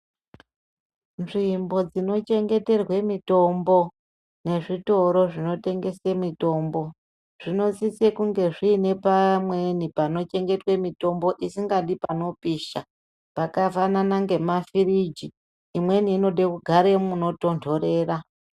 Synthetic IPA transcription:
nʐimbo̞d͡zino̞t͡ʃe̞ŋɡe̞te̞rwe̞mito̞mbo̞ | ne̞ʐito̞ɾo̞ʐino̞te̞ŋɡe̞semito̞ːmbo̞ | ʐ̥ino̞t͡sit͡sekuŋɡe̞ʐiːne̞pamwe̞nipano̞t͡ʃe̞ŋɡe̞twe̞mito̞mbo̞ʔisiŋɡaɗipano̞piːʃa | pakafananaŋɡe̞mafirid͡ʒiː | mwe̞niːno̞ɗekuɡʱaɾemuno̞to̞ntʰo̞ɾe̞ːra

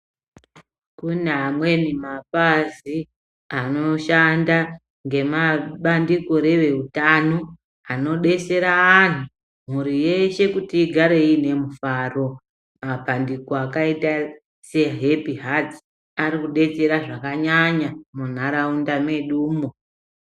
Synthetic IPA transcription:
kunamwe̞nimapazi | ano̞ʃanda | ŋɡe̞maɓandiko̞ɾe̞ʋe̞utano̞ | ano̞ɗe̞t͡se̞ɾaːn̤u | m̤uɾije̞ʃe̞kutiːɡʱaɾe̞ine̞mufaro̞ | mapandikoakaita | se̞ɦepiɦati̥ | aɾikuɗe̞t͡se̞ɾaʐakaɲaɲamun̤aɾaundame̞ɗuːmo̞

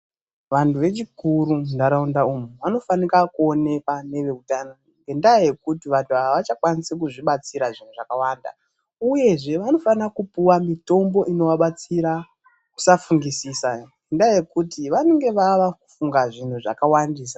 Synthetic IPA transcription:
ʋantʰuʋe̞t͡ʃikuɾundaɾaundaumuʋano̞fanikakuo̞ne̞kwane̞ʋe̞utano | ŋɡendaje̞kutiʋantʰuaʋaʋat͡ʃakwanisek̬uʐiɓat͡siɾaʐin̤uʐakawanda̰ | uje̞ʐe̞ʋano̞fanakupuwamito̞mbo̞ʔino̞ʋaɓat͡siɾa | ku̥safuŋɡisisaŋɡɡendaaje̞kutiʋaneŋɡe̞ʋaʋaku̥fuŋɡaʐin̤uʐa̰kawandiːsḁ

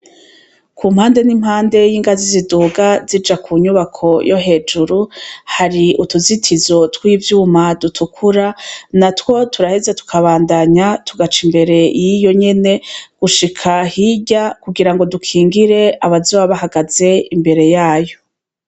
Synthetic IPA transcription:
kʰuːmhaːnde̞nimhaːnde̞jiːŋɡaziziduːɡazid͡ʒakʰuɲuβakʰo̞jo̞ɦe̞ːd͡ʒuɾuhaɾiutuzitʰizo̞twiːvjuːmadutʰukʰuɾanatwo̞tuɾaheze̞tu̥kʰaβaːndaɲatʰuɡat͡ʃimbe̞ɾe̞jijo̞ɲe̞ne̞ɡ̥uʃikʰahiɟakuɡiɾaŋɡo̞dukʰiːŋɡiɾe̞aβazoːwaβaɦaɡaze̞imbe̞ɾe̞jaːjo̞

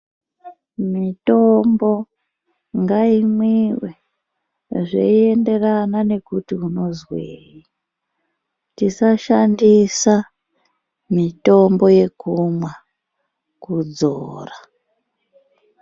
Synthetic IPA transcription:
mito̞mbo̞ | ŋɡaimwiwe | ʐḛie̞nde̞ranane̞kutiuno̞zweːji | tisaʃandisa | mito̞mbo̞je̞kumwa | kud͡zoːra

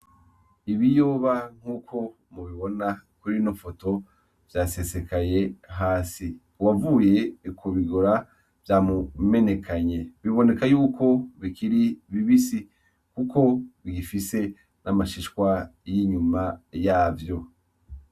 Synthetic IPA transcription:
iβijoːβaŋ̥huːkʰo̞ | muβiβo̞nakuɾinofo̞to̞ | v̥jaːse̞se̞kaje̞ɦaːsi | wavuːje̞kʰuβiɡoɾa | v̥jaːmume̞ne̞kʰaɲe̞βiβo̞ne̞kajuːkʰo̞βikiɾiβiβisi | kukʰo̞βiɡifise̞ | namaʃiʃkwajiɲumajaːvjo̞

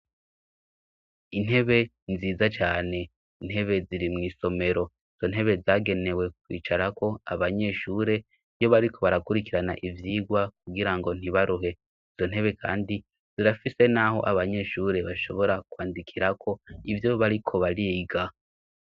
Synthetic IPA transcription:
in̥he̞βe̞ | nziːzat͡ʃaːne̞ | in̥he̞βe̞ziɾimŋiːso̞me̞ɾo̞ | iz̥o̞n̥ɦe̞βe̞zaːɡe̞ne̞we̞kwḭːt͡ʃaɾako̞a̰βaɲe̞ʃuːɾe̞ | jo̞βaɾikʰo̞βaɾakuɾikiɾanaʔivjiːɡwak̚uɡiɾaŋɡo̞n̥iβaɾuɦe̞ | izo̞n̥e̞βe̞kʰa̰ːndi | z̥iɾafise̞naɦo̞̰ʔaβaɲe̞ʃuːɾe̞βaʃo̞βo̞ɾakwaːndikʰiɾakʰo̞ivjo̞βaɾikʰo̞βaɾiɡa

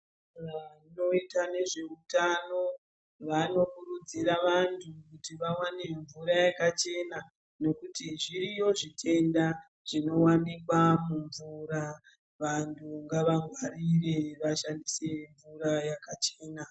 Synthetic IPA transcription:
ino̞itane̞ʐe̞utano̞ | ʋano̞kurud͡ziɾaʋantʰukutiʋawaneɱvuɾajakat͡ʃe̞na | no̞kutiʐiɾijo̞ʐitʰe̞nda | ʐ̥ino̞wanikwamuɱvuɾa | ʋantʰuŋɡaʋaɡwaɾire̞ʋaʃandise̞ɱvuɾajakat͡ʃe̞ːna

